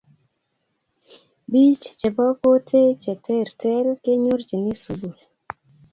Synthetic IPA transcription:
bi˦t͡ʃt͡ʃɛ˨bɔ˦ko˦tʰe˦t͡ʃɛ˨tɛ˦˨rtɛ˦ɾke˦ɲu˦ɾt͡ʃe˨nɪ˦su˨bu˨l

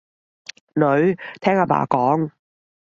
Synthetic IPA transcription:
lɵ˨˧ɥt̪ʰɛː˥ŋaː˧pa̰ː˨˩kɔː˨˥ŋ

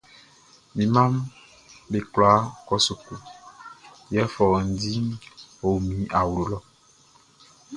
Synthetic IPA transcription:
mi˨ma˦m | be˨kla˨˦kɔ˦so˨ku˨ | jɛ˦fɔ˨n˨di˦ŋo˨mĩ˨˦ʔa˨wu˨lo˨lɔ˦

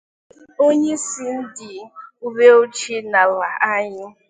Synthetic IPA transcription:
o˦ɲe˦si˨n̩˦dɪ˨u˦be˦o˦t͡ʃi˦na˨la˨ʔa˦ɲɪ˦

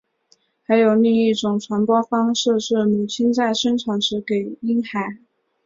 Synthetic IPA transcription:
xa˧˥ɪjo˨˩ʊli˥˧ŋi˥˩ʈ͡ʂʊ˨˩ŋʈ͡ʂʰwa˧˥npwɔ˥fɑ˥ŋʂɻ̩˥˧ʂɻ̩˥˩mu˨˩t͡ɕʰi˥nt͡sa˥˩ɪʂə˥nʈ͡ʂʰɑ˨˥ŋʂɻ̩˧˥ke˨˩ɪi˥ŋxa˨˩˦ɪ

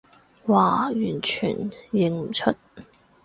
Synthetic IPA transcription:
wa˨˥y˨˩nt͡ɕʰy̰˨˥nji˧˥ŋt͡sʰə˥t̚

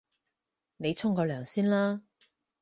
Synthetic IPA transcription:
ne˨˧jt͡sʰʊ˥ŋkɔː˨˧lœː˨˩ŋsiː˥nlaː˥

